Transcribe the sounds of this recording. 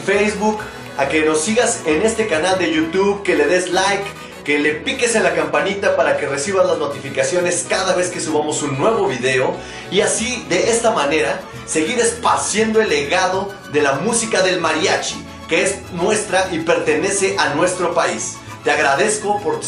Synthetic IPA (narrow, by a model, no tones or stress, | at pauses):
fejzβuk | ake̞no̞sːiɣase̞ne̞st̪e̞kanald̪e̞ʝut̪juβke̞le̞ðe̞zlajkː | e̞le̞pike̞se̞nlakampanit̪apaɾake̞re̞siβ̞azlazno̞t̪ifikasjo̞ne̞skaðaβe̞ske̞suβamo̞sunːwe̞βo̞βiðe̞o̞ | iasiðe̞est̪amane̞ɾa | se̞ɣiɾe̞spaɾsje̞nd̪o̞e̞lːe̞ɣaðo̞ | ðe̞lamusikaðe̞lmaɾjat͡ʃi | ke̞esnwe̞st̪ɾaʔipe̞ɾt̪e̞ne̞se̞ʔanwe̞st̪ɾo̞pais | t̪e̞aɣɾaðe̞sko̞po̞ɾ